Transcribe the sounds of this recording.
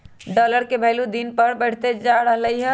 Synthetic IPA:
ɖɔːləɾkebʱɛlud̪inpɐɾbəɽ̤t̪ed͡ʒaɾəɦləiɦɛ̃

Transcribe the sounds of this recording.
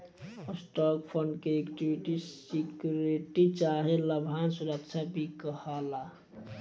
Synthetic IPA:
sʈɔkpʰənɖkeekʈiwiʈisikjuɾeʈit͡ʃaɦeləbʱansuɾəkt͡ʃʰabʱikəhala

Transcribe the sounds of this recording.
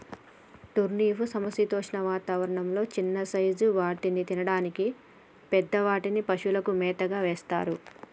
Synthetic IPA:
ʈ̪uɾniːfusɐmɐsit̪oːʂɳɐʋaːt̪aːʋɐɾɐɳɐmlo̞ːt͡ʃinːɐsɐjd͡ʒuʋaːʈinit̪inɐɽaːniki | pɛd̪ːɐʋaːʈinipɐʃulɐkumɛːt̪ɐɡaːʋeːst̪a̰ːɾu

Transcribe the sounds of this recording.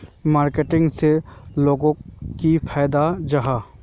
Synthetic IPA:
maːɾkeʈɪ̃ŋɡseloːɡõkipʰaːjd̪ad͡ʒaɦa

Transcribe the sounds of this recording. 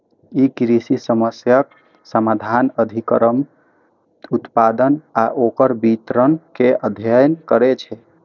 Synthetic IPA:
ikɾisisəməsjək̚ | səmad̪ʱanəd̪ʱikəɾəm | ut̪pad̪ənaʔokəɾbit̪ɾənkeəd̪ʱjəjnkəɾet͡ʃʰɛ

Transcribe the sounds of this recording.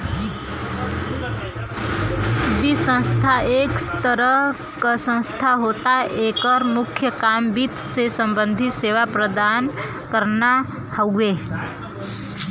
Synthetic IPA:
bisə̃nst̪ʰaeːkst̪əɾəɦ | kasə̃nst̪ʰaɦoːt̪aeːkəɾmʊkʰjəkaːmbit̪sesə̃mbə̃nd̪ʱɪt̪seːʋapɾəd̪aːn | kəɾna | həeː

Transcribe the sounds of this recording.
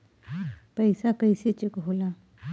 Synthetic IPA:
pəjsakəjset͡ɕekɦola

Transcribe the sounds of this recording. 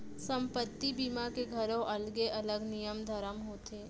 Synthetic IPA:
sə̃mpət̪ːibiːmakeɡʱəɾõʔɐlɡeʔɐləɡnijəmd̪ʱəɾəmɦoːt̪eː

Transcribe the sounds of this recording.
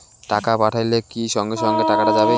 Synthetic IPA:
ʈakapaʈʰajlekiʃɔŋɡeʃɔŋɡeʈakaʈad͡ʑabe

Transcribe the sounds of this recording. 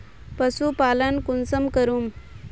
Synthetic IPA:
pəsupalənkunsəmkəɾum

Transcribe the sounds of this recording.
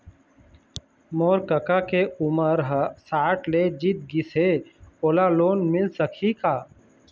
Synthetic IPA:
moːɾkəkakeʊməɾɦəsaːʈʰled͡ʒit̪̚ɡɪseoːlaloːnmɪlsəkʰikaː

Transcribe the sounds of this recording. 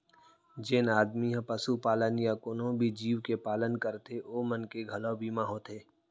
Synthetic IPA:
d͡ʒeːnaːd̪miɦãpəsupaːlənjakʊnɦõbʱid͡ʒiːʋkepaːlənkəɾt̪eoːmənkeɡʱɐlobʱiːmaɦoːt̪eː

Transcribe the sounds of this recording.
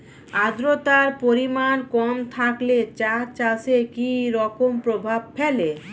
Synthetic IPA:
ad̪ɾot̪aɾpoɾimankɔmt̪ʰaklet͡ɕat͡ɕasekiɾɔkompɾobʱab̚fele

